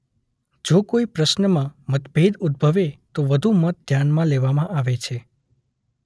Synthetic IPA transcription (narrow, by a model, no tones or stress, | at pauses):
d͡ʒokoipɾəʃnəmãmət̪bʱed̪ud̪̚bʱəʋet̪oʋəd̪ʱumət̪̚d̪ʱjanmãleʋamãʔaʋet͡ʃʰe